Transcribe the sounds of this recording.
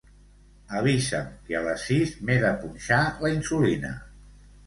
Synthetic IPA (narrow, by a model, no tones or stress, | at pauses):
əβizəmkeələsːizmeðəpunʲʃaləinsulinə̰